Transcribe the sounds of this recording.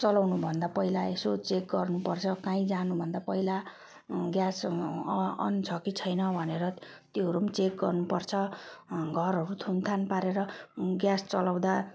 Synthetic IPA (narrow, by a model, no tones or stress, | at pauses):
t͡sʌlawnubʱʌnd̪apʌilaesot͡sek̚ɡʌrnupʌrt͡sʰʌkãĩd͡zanubʱʌnd̪apʌila | ɡjas | ʌ̰nt͡sʰʌkit͡sʰʌjnʌbʱʌneɾʌ | t̪jiɦʌɾumt͡sek̚ɡʌrnupʌrt͡sʰʌɡʱʌɾɦʌɾut̪ʰunt̪ʰanpaɾeɾʌɡjast͡sʌlaw̃d̪a